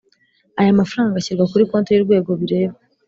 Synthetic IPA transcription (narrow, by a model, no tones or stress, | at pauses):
ajamafɾaːŋɡaɕiɾɡwakuɾiko̞ːntejiɾɡwe̞ːɡo̞βiɾe̞ːβa